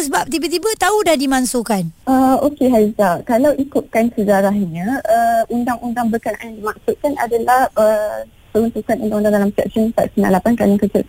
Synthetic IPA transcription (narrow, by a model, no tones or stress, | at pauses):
səbap̚t̪ibat̪ibət̪audahdimãnsokanʔəokeɦazakalawʔikut̪̚kansəd͡ʒaɾahɲãʔəʔundaŋʔundaŋbəkana̰jandimaksuʔ̪̚kana̰dalahə | pəɾunt̪ukanundaŋundaŋdalamsɛ̰k̚sənt̪a̰ʔsənã̰nlapankaniŋkət͡ʃəʔ